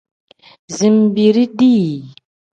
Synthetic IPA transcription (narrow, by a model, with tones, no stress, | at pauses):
zi˨mbi˨ɾi˦di˦˨